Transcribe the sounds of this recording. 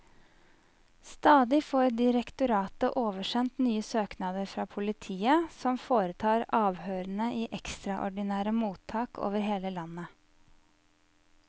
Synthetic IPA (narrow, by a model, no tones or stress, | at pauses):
st̪ɑːd̪ɪfoːɾɖ̪ɪɾɛkt̪ʊɾɑːt̪əʔoːʋəʃɛnt̪nyːəsøːknɑːd̪əɾfɾɑːpʰʊlɪt̪ʰiːəsɔmfoːɾət̪ʰɑːɾɑːʋhøːɾənəʔiːʔɛkst̪ɾɑʔɔ̰ɖɪnæːɾəmuːt̪ʰːɑːkʰo̰ːʋəɾɦeːləlɑnːə